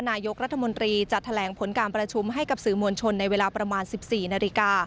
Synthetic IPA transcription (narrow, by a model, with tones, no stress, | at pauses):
naː˧jo˦˥k̚ɾa˦˥t̪ʰːa˧mo˧nt̪ɾiː˧t͡ɕa˨˩t̪ʰːa˧lɛː˩˦ŋpʰo˩˦nkaː˧npɾa˧t͡ɕʰu˧mɦa˥˩jka˨˩p̚sɯː˩mu˧ənt͡ɕʰo˧nːa˧jweː˧laː˧pɾa˧maː˧nsi˨˩p̚siː˨˩naː˧li˧˥kaː˧